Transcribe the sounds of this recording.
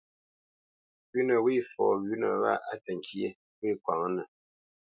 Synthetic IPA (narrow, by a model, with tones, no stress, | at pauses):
ɥʉ˦nə˨wi˦˨fɔː˨ɥʉ˦nə̰˨wa̰˦˨ʔa˦tə˨ŋ˨kʰje˦ | wi˦˨kwa̰˨ŋə˦nə˨